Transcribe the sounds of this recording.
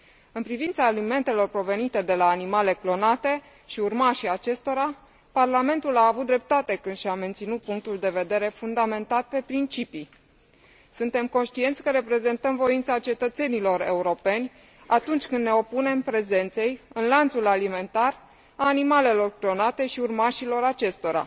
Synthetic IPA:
ɨnpɾivint̪saːlime̞nt̪e̞lo̞rpɾo̞ve̞nit̪e̞d̪e̞laːnimale̞klo̞nat̪e̞ | ʃiurmaʃiat͡ʃe̞st̪o̞ɾa | parlame̞nt̪ulaːvut̪̚d̪ɾe̞p̚t̪at̪e̞kɨnd̪ʃiame̞nt̪sinut̪̚puŋk̚t̪uld̪e̞ve̞d̪e̞ɾe̞fund̪ame̞nt̪at̪pe̞pɾint͡ʃipi | sunt̪e̞mko̞nʃt̪ie̞nt̪sʲkəɾe̞pɾe̞ze̞nt̪əmvo̞int̪sat͡ʃe̞t̪ət̪se̞nilo̞ɾe̞̰uɾo̞pe̞nʲ | at̪unt͡ʃʲkɨnd̪ːne̞o̞pune̞mpɾe̞ze̞nt̪se̞jɨnlant̪sulalime̞nt̪ar | aːnimale̞lo̞rklo̞nat̪e̞ʃiurmaʃilo̞ɾat͡ʃe̞st̪o̞ɾa̰

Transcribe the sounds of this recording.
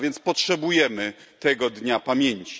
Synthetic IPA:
vʲjɛnt̪spɔtʂɛbujɛmɘt̪ɛɡɔd̪ɲapamʲjeɲt͡ɕi̥

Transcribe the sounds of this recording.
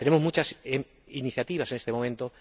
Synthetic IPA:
t̪e̞ne̞mo̞zmut͡ʃas | iniθjat̪iβ̞asenest̪emo̞mẽ̞nt̪o

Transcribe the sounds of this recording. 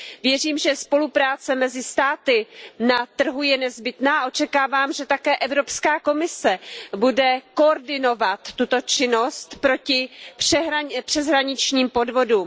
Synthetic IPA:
vjɛriːmʒɛspo̞lupɾaːt͡sɛmɛzɪst̪aːt̪ɪnat̪r̩ɦujɛnɛzbɪt̪naːʔo̞t͡ʃɛkaːvaːmʒɛt̪akɛːʔɛvɾo̞pskaːko̞mɪsɛbudɛko̞ːɾdɪno̞vat̪ːut̪o̞t͡ʃɪnost̪pɾo̞cɪprɛɦapr̥ɛzɦɾaɲɪt͡ʃɲiːmpo̞dvo̞duːm

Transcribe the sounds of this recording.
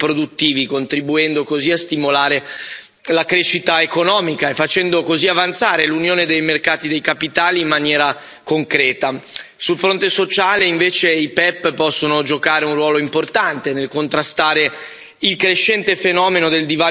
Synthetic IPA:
pɾod̪ut̪ːiːvikont̪ɾibuɛnd̪okoziast̪imolaːɾe | lakɾeːʃit̪aekonɔːmikaefat͡ʃɛnd̪okoziavant̪saːɾelunjoːned̪ejmerkaːt̪id̪ejkapit̪aːliːmːanjɛːɾa | koŋkɾɛːt̪asulfɾont̪esot͡ʃaːleiɱveːt͡ʃeipɛpːpɔsːonod͡ʒokaːɾeunrwɔːloimport̪ant̪enelkont̪ɾast̪aːɾe | ilkɾeʃːɛnt̪efenɔːmenod̪eld̪iva

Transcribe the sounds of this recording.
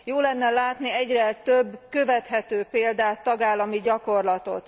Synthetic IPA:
joːlɛnːɛlaːt̪niɛɟrɛt̪øbːkøvɛt̪ɦɛt̪øːpeːld̪aːt̪ːɒɡaːlːɒmiɟɒko̞rlɒt̪o̞̰t̪

